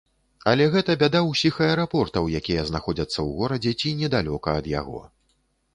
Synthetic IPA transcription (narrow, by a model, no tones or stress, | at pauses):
ɐlʲɛɣɛt̪ɐbʲad̪awsʲixɐɛɾapɔrt̪ɐwjakʲijɛznaxɔd͡zʲɐt̪sːɐwɣɔɾɐd͡zʲɛt͡sʲinʲɛd̪alʲɔkɐːd̪ja̰ɣɔ̰